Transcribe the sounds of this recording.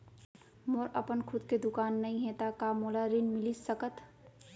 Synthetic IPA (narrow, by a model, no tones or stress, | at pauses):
moɾəpənkʰud̪ked̪ʊkaːnːəĩɦẽt̪akamolaɾinmɪlisəkət̪